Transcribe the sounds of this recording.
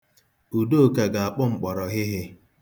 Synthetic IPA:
u˨do˦˨ka˨ɡa˨a˨k͡pɔ˦ŋ͡m̩˨k͡pɔ˨ɾɔ˨ɣɪ˦ɦɪ˦

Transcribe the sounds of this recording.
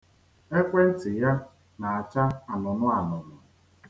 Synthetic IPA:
e˦kʷe˦n̩˦tɪ˨ja˦ | na˨a˨t͡ʃa˦a˨nʊ˨nʊ˦a˨nʊ˨nʊ˨

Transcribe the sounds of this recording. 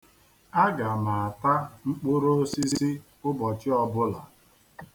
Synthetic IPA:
a˦ɡa˨ma˨a˨ta˦ŋ͡m̩˦k͡pʊ˦ɾo˦o˦si˦si˦ | ʊ˦bɔ˨t͡ʃɪ˦ɔ˨bʊ˦la˨

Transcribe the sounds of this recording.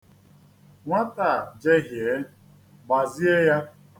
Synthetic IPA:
ŋʷa˦ta˨d͡ʒe˦ɦje˨˦ | ba˨zi˦e˦ja˦

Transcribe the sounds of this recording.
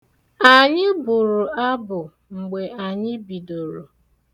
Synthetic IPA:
a˨ɲɪ˦bʊ˨ɾʊ˨a˦bʊ˨ | ŋ͡m̩˨ɡ͡be˨ʔa˨ɲɪ˦bi˨do˨ɾo̰˨

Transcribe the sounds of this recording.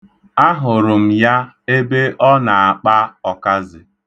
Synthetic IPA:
a˦ɦʊ˨ɾʊ˨m̩˨ja˦ | e˦be˦ʔɔ˦na˨a˨k͡pa˦ɔ˨ka˦zɪ˨

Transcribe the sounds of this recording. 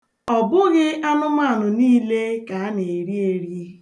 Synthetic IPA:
ɔ˨bʊ˦ɣɪ˦a˦nʊ˦ma˦a˨nʊ˨niː˦le˦ka˨a˦ne˨ɾi˦e˨ɾi˦e˦

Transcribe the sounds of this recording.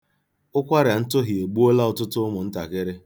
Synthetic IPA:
ʊ˦kʷa˦ɾja˨n̩˦tʊ˦ɦi˨e˨ɡ͡bu˦o˦la˦ʊ˨tʊ˦tʊ˦ʊ˦mʊ˨n̩˦ta˨kɪ˦ɾɪ˦

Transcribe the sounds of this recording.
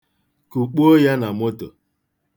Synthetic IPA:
ku˨k͡po˦ja˦na˨mo˦to̰˨

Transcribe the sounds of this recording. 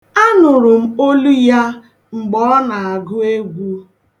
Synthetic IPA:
a˦nʊ˨ɾʊ˨m̩˦o˦lu˦ja˦ | ŋ͡m̩˨ɡ͡bɔ˦na˨a˨ɡʊ˦e˦ɡʷu˦

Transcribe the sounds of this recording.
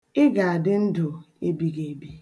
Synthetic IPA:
ɪ˦ɡa˨a˨dɪ˦n̩˦dʊ˨ | e˦bi˦ɡe˨˦bi˦

